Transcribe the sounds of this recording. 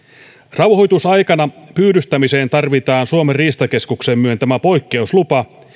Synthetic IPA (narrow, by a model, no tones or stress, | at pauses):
rɑwho̞jt̪usɑjkɑnɑpyːdyst̪æmise̞ːnt̪ɑrʋit̪ɑːnsuomeriːst̪ɑke̞skukse̞mːyønt̪æmæpo̞jkːe̞uslupɑ